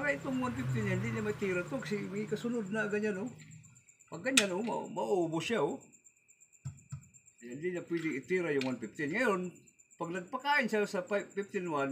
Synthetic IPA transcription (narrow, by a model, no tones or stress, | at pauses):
aɾaɪt̪ʊŋwanpɪf̚t̪ɪnjand̪ɪɲamaɪt̪iɾat̪ʊksɪmaɪkɐsʊnʊd̪̚naɡaɲano | paɡɡɐɲanʔoma̰maʔuːbʊsjao | jand̪ɪɲapwɛd̪ɪŋɪt̪iɾajʊŋwanpɪft̪ɪnŋɐjonpaɡ̚nɐɡ̚pakaːʔɪnsasɐpapift̪ɪnwan